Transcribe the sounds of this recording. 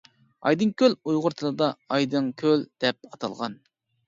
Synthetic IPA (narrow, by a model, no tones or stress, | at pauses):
ɑ̰jd̪ɨŋkʲʰølujʁʊɾt̪ʰɨlˠɨd̪ɑɑjd̪ɨŋkʲʰøld̪̥ɛp̚ɑt̪ʰɑ̰lˠʁɑ̰n